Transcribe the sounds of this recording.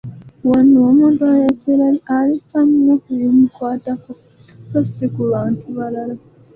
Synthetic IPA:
waniwomuːntuajeselaialisamnokulimukwaːtako | sosikuβaːntʰuβalala

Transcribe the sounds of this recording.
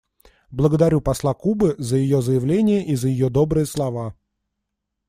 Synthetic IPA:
blˠəɡəd̪ɐɾʲupɐslˠakubɨzəjɪjozəjɪvlʲenʲɪjəʔizəjɪjod̪o̞bɾɨjəslˠɐva

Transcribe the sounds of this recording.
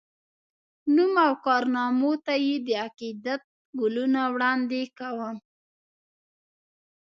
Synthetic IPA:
numawkɑɾnɑmot̪ajed̪əaqid̪at̪̚ | ɡʊlunawɽɑnd̪ekawəm

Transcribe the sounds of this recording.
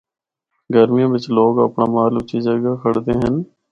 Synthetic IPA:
ɡəɾmɪjãːbɪt͡ʃloːɡə̰pɳaːmaːlʊt͡ʃʰid͡ʒəɡakʰəɽt̪eːɦən

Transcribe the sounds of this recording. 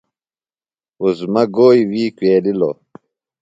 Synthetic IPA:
uzmɐɡoːjwiːkweːlilo̰

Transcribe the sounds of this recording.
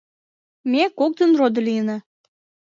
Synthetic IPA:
mekok̚d̪ənrod̪əlʲiəna

